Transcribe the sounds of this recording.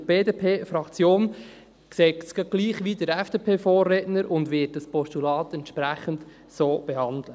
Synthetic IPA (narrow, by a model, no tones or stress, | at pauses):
b̥eːdeːpʰeːfɾɑkt͡sjoːn | ksɛːkskɑɡ̥liːχʋidəɾɛfd̥eːpʰeːfoːrːeːtnəɾʊndʋɪt̚d̥ɑspɔstulɑːtɛntʃpɾæχənt | soːb̥ɛhɑnd̪lə